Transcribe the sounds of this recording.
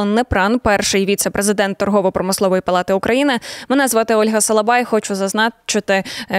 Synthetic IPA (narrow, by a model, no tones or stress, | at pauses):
nːɛpɾɑnpɛrʃɪjʋʲit̪sɛpɾezɪd̪ɛnt̪ːɔrɦɔʋɔpɾɔmɪslˠɔʋɔjipɐlˠɑt̪ɪukɾʔɐjinɪmɛnɛzʋɑt̪ɪɔlʲɦɐsɐlˠɐbɑjxɔt͡ʃʊzɐznɑt͡ʃɪt̪ɪ